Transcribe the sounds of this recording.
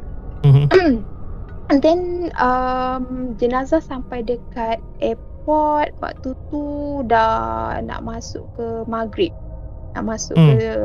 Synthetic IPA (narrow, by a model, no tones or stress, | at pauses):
dɛnəmd͡ʒənazahsampajdəkat̪̚ɛp̚ɔt̪̚wa̰ʔt̪ut̪udana̰ʔmasʊ̰ʔkəmaɡɾip̚na̰ʔmãsʊ̰ʔkə